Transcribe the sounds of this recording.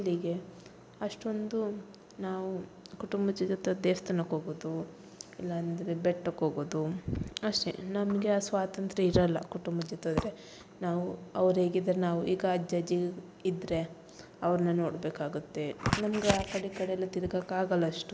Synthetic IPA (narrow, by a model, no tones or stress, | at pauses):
ilːiɡe̞ | ɐʂʈo̞nd̪u | naːʋukuʈumbɐd͡ʒɐd͡ʒot̪ːɐd̪eːst̪ɐnɐkoːɡoːd̪u | ilːɐːnd̪ɐɾe̞beʈːɐkoːɡoːd̪uɐʂʈḛnɐmɐɡeaːsʋaːt̪ɐnt̪ɾɐiɾɐlːɐ̰kuʈumbɐd͡ʒɐt̪ːɐd̪ɾe̞ | naːʋuɐʋɐɾɦeːɡid̪ɐɾenaːʋuʔiːɡɐd͡ʒɐd͡ʒi | id̪ɾe̞ | ɐʋɐɾɐnːɐnoːɽbeːkaːɡut̪ːe̞nɐmɐɡeaːkɐɽikɐɽeɛlːɐt̪iɾɡaːkaːɡɐlːɐʂʈu